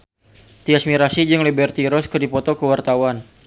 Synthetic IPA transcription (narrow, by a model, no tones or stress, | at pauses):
t̪iasmiɾasid͡ʒɨŋlibɛrt̪iɾɔskərdipɔt̪ɔkəwart̪awan